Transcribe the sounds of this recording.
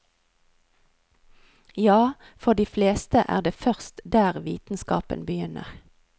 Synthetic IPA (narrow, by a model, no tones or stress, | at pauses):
jɑː | fɔʁd̪iːfleːst̪əʔæ̰ːʁd̪eːfœʁst̪d̪æːʁʋḭːt̪n̩skɑ̰ːpə̰nbəjʏnə̰ʁ